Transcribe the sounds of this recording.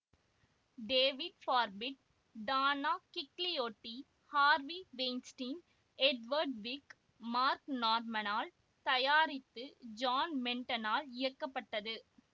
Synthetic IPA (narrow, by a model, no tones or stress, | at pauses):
ɖeːʋɪɖfaːɾbɪʈ̚ | ɖaːnaːkɪklɪjoːʈːi | haːɾʋiʋeːnsʈiːn | ɛɖʋɐɾɖʋɪk | maːɾknaːɾmɐnaːl | t̪ɐjaːɾɪt̪ːɯd͡ʒaːnmɛɳʈɐnaːlɪjɐrkːɐpːɐʈːɐðɯ